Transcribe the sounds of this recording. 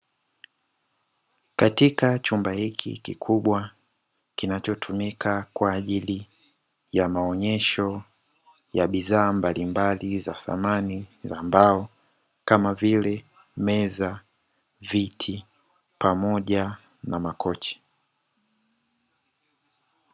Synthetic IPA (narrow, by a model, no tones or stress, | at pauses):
katikat͡ʃumbahikʰḭkḭkʰuɓwa | kinat͡ʃɔtʰumikʰakwaːʄili | jamaɔɲɛʃɔ | jaɓiðaːmbalimbaliza̰sa̰manizambaɔ | kamavilɛ | mɛza | vitʰi | pamɔʄa | namakɔt͡ʃɛ̥